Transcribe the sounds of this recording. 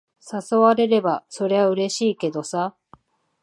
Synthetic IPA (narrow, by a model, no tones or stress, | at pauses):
saso̞βaɾe̞ɾe̞baso̞ɾe̞βaɯ̟ɾe̞ɕiːke̞d̪o̞sa